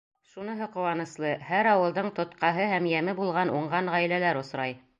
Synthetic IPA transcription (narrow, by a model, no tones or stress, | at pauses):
ʃunɤ̆ɦɤqŏwɑnɤ̆slˠɤhæɾɑwɤ̆lˠd̪ɤɴt̪ŏt̪qɑɦɤhæmjæmɘbulˠʁɑnʔuɴʁɑnʁæjlælæɾŏsɾɑj